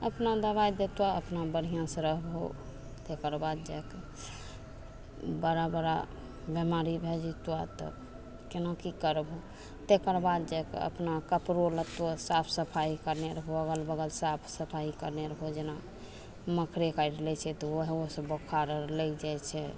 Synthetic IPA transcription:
əpnad̪əβajd̪et̪waəpnabəɽ̤ijãsə̃ɾəɦbo̰ | t̪ekəɾbad̪d͡ʒake | bəɾabəɾa | bemaɾibʱed͡ʒit̪wat̪ɔ̰ | kenakikəɾbʱo | t̪ekəɾbad̪̚d͡ʒakḛə̰pnakəpɾolət̪osapʰsəpʰaikəɾneɾəɦoəɡəlbəɡəlsapʰsəpʰaikəɾneɾəɦod͡ʒena | məkʰɾekaiɖlɛt͡ʃʰɛt̪ɔoɦẽosəbokʰaɾəlɛd͡ʒajt͡ʃʰɛ

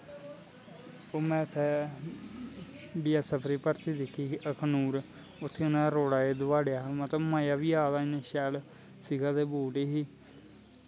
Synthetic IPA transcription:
oːmɛ̃ːʊt̪ʰːɛː | biːaːsəpʰɾiːpəɾt̪iːd̪ɪkʰːiːəkʰnuːɾ | ʊt̪ʰːeːʊnãːɾoːɽaːed̪ʊʋaːɽejaːmət̪əmaːjaːʋiːaːd̪aːĩnẽːʃɛːl | siːɡaːd̪eːboːʈeːɦiː

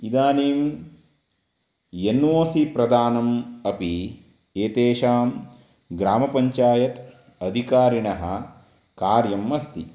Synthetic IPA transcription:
id̪aːniːm | jenːoːsipɾɐd̪aːnɐmɐpi | eːt̪eːʃaːm | ɡɾaːmɐpɐɲt͡ʃaːjɐt̪ | ɐd̪ʱikaːɾiɳɐɦɐ̰ | kaːɾjɐmːɐst̪ḭ

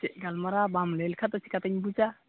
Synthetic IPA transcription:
seʔɡalmaɾabamlelkʰat̪asʰi̥kat̪aɲbud͡ʒa

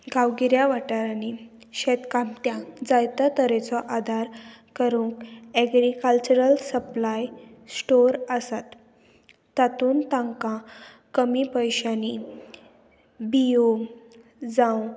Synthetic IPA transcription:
ɡawɡiɾjaʋaʈaɾani | ɕet̪kamt̪jãd͡zajt̪at̪əɾet͡sɔʔad̪ʱaɾkəɾũːŋkɛɡɾikəlt͡ɕuɾəlsəplajsʈoɾəsat̪ː | at̪uːnt̪ãŋkã | kəmipəjɕani | bio | d͡zãw

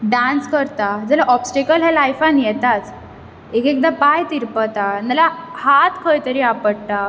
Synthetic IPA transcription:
ɖanskəɾt̪ad͡zəlaʔɔpsʈekəlɦɛlajfanijɛt̪at͡s | ekek̚d̪apajt̪iɾpət̪analahat̪kʰəjt̪əɾiapəɽt̪a

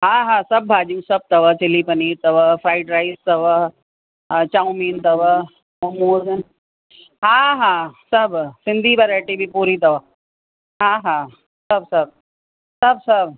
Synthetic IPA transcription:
ɦãːɦãːsɐb̚ːʱaːd͡ʒũːsɐb̚t̪ɐʋət͡ʃɪlipɐniːɾt̪ɐʋəfʰɾaːɪʈɾaːɪst̪ɐʋə | t͡ʃaːũmiːnt̪ɐʋə | mɐmoːzn | ɦãːɦãːsɐbsɪnd̪ʱiːbɐɾaːʈibʱipuːɾit̪ɐʋə | ɦãːɦãː | sɐb̚sɐb̚ | sɐbsɐb

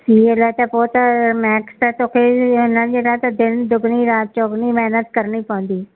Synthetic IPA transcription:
siːelɛːt̪ɛːpoːt̪mɛːkst̪ɛːt̪ʊkʰeːnad͡ʒeːɽaːt̪ad̪ɪnd̪ʊɡniːɾaːt̪̚t͡ʃokniːmɛːnət̪kəɾniːpɔ̃ʊ̃nd̪iː

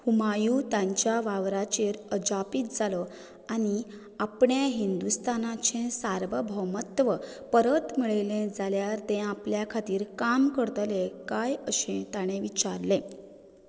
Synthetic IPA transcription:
humajuːt̪ãɲt͡ɕjaʋaʋɾat͡ɕeɾəd͡ʑapiːt̪̚d͡zalɔ | aɽ̃i | apɳjaɦind̪ust̪anat͡ɕẽsaɾʋəbʱəmət̪ʋə | pəɾət̪miɭelẽd͡zaljaɾt̪ɛ̃apljakʰat̪iːɾkamkəɾt̪lekajəɕẽt̪aɽ̃ẽʋit͡ɕaɾlẽ

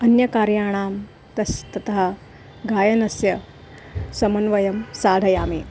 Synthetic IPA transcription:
ɐnjɐkaːɾjaːɳ̃aːm | t̪ɐst̪ɐt̪ɐɦa | ɡaːjɐnɐsjɐ | sɐmɐnʋɐjɐmsaːd̪ʱɐjaːmi

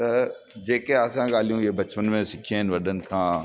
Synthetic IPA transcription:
t̪ɐ | d͡ʑeːkeaːsãɠaːlijũebɐt͡ʃpənmẽsɪkʰieɦɪnʋɐɗənɪ̆kʰãː

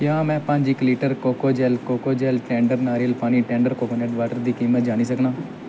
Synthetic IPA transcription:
kjãːmɛ̃ːpə̃ɲd͡ʒɪkliːʈəɾkoːkoːd͡ʒɛːlkoːkoːd͡ʒɛːlʈɛ̃ːɳɖəɾnaːɾiəlpaːñiːʈɛ̃ːɳɖəɾkoːkoːnɛːʈʋaːʈəɾd̪iːkiːmət̪̚d͡ʒaːñiːsəknãː

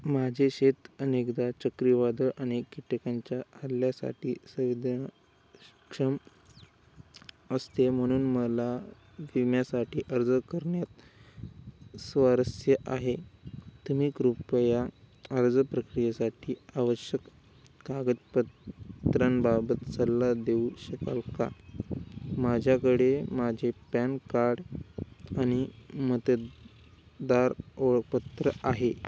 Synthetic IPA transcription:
mad͡ʑʱeɕet̪ənekd̪at͡ɕəkɾiʋad̪əɭʔaɽ̃ekiʈ̪əkaɲt͡ɕjaaljasa̰ʈiːsəʋid̪ | kʂəm | əst̪em̤əɽ̃uːnməla | ʋimjasaʈiːʔəɾd͡zəkəɾɳjat̪ | sʋaɾəsjəʔaɦet̪um̤iːkɾupəjaəɾd͡zəpɾəkɾijasaʈʰiːaʋəɕjəkː | aɡət̪pət̪ɾənbabət̪t͡səlːad̪euɕəkalka̰ | mad͡ʑʱjakəɽemad͡ʑʱepænkaɾɽ | aɽ̃imət̪ə | d̪aɾoɭək̚pət̪ɾəʔaɦe

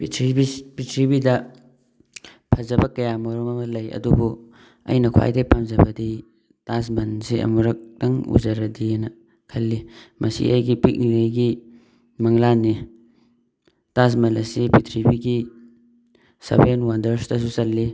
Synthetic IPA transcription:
pitʰɾibipitʰɾibidɐ | pʰɐzɐbɐkɐjamɐɾɔmɐmɐlɐjɐ̰dubu | ɐ̰jnɐkʰwa̰jdɐpʰamzɐbɐdi | tas̬mɐnsiʔɐ̰muɾɐk̚tɐŋṵzɐɾɐdinɐ | kʰɐlːimʔɐsḭʔɐjɡipit̚nilejɡi | mɐŋlanːi | tas̬mɐlɐsipitʰɾibiɡi | sɐ̰benwandɐɾsdɐsusɐlːi

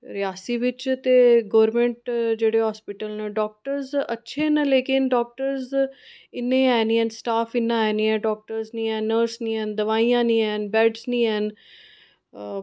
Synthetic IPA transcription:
ɾɪjaːsiːʋɪt͡ʃt̪eːɡɔːɾmẽɳʈd͡ʒeːɽeːɦɔːspɪʈəlnẽːɖɔːk̚ʈəɾzətːʃʰeːnəleːkɪnɖɔːk̚ʈəɾzɪnːẽːɛːnĩːɛ̃ːnsʈaːfʰɪnːãːɛːniːɛ̃ːɖɔːk̚ʈəɾznĩːɛːnəɾsnĩːɛːnd̪əʋaːijãːnĩːɛːnbɛːɖznĩːɛn

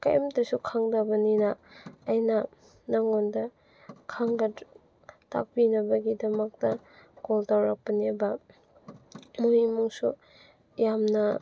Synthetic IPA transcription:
ka̰jʔmtɐsukʰaŋdabɐninaːjnɐ | naŋondɐ | kʰaŋɡɐt | ta̰k̚pinɐbɐɡidɐmɐk̚tɐ | ɡoltawɾak̚pɐnebɐ | muimuŋsu | jamnɐ

